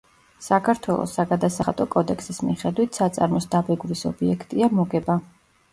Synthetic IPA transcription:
sakʰaɾt̪ʰwɛlˠɔ̰sːaɡad̪asaχat̪ʼɔkʼɔd̪ɛksismiχɛd̪wit̪ʰsat̪sʼaɾmɔsd̪abɛɡlisɔbiɛkʰt̪ʼiamɔɡɛba

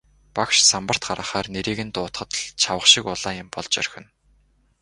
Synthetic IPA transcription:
pakʃsampə̆r̥t̪̚ɢaɾə̆χaːrneɾiːɣɘ̆nt̪ʊːt̪χə̆t̪̆ɮt͡ɕʰawə̆χʃɪkʊɮaːjɪ̆mpɔɮt͡ɕœ̰rxʲɘ̆n

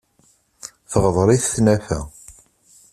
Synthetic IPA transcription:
θəʁðˤɾˤiθθnæfæ̰

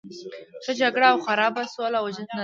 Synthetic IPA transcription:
xəd͡ʒaɡɽaːwxaɾɑbasolawd͡ʒənna

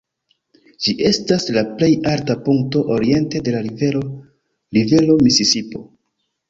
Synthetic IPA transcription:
d͡ʒiʔe̞staslaple̞jaɾtapuŋk̚to̞ʔoɾie̞nte̞de̞lae | live̞lo̞misisipo̞

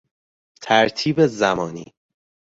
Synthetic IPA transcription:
t̪ʰæɾt̪ʰiːbezæmɒːnḭː

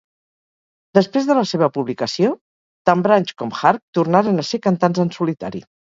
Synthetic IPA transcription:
d̪əspɾezðələseβ̞əpuβlikəsio | t̪ambɾaɲʲt͡ʃkɔmxaɾk̚t̪urnaɾənəseɾkənt̪anzənsulit̪a̰ɾḭ

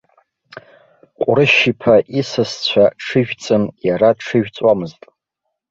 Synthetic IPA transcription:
qʷʼɾɨʃipʰaʔisɨst͡ɕʷʰaʈ͡ʂʰɨʒᶣt͡sʼɨmjaɾaʈ͡ʂʰɨʒᶣt͡sʼwamɨztʼ

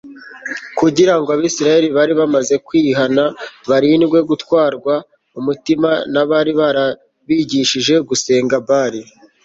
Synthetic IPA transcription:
kuɟiɾaŋɡoaβiːsiɾaje̞ɾiβaɾiβamaze̞kwiːɦanaβaɾinɡwe̞ɡutwaːɾɡwa | umutimanaβaɾiβaɾa | βiːɟiʃiʒe̞ɡuse̞ːŋɡabaːɾi

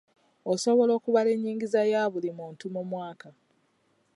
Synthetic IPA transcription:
oso̞βo̞lo̞ːkuβale̞ɲːiːŋɡizajaːβulimuːntumumwaːka

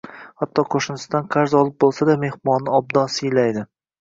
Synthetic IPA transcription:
hat̪ʰːɒqʰoʃɪnɪst̪ɒnqʰɑɾzɒlˠɪp̚bolˠsad̪ame̞hmɒnːɪɒb̚d̪ɒsɪjlajd̪ɪ

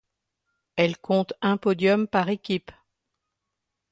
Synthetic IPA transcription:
ɛlkʰɔ̃t̪ɛ̃pɔd̪jɔmpaʁekʲip

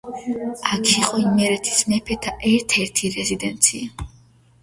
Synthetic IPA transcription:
akʰiqʼɔimmɛɾɛt̪ʰi̥smɛpʰɛt̪ʰaʔɛɾt̪ʰɛɾt̪ʰiɾɛzid̪ɛnt̪sʰia

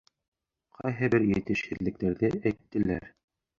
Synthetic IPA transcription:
qʰɑjɦɘbɘɾjɘ̆t̪ɘʃhɘ̆ðlɘ̆k̚t̪æɾðɘæjt̪ːɘ̆læ̰ɾ

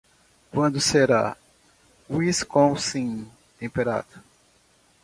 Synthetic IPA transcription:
kwɐ̃nd̪ʊseɾa̰ | wiskõsĩ | t̪ẽmpeɾa̰d̪ʊ̥

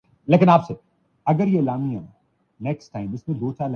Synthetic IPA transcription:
leːkɪnaːpse | ɐɡəɾjelaːmiãː | nɛːksʈːaːɪ̃mɪsmẽd̪oːt͡ʃʰaːl

